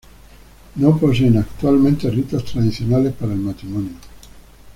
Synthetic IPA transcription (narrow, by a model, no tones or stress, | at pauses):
noposɛnakt̪ualment̪erit̪at̪ɾad̪it̪sjonaːlepeɾalmat̪ɾimɔnjo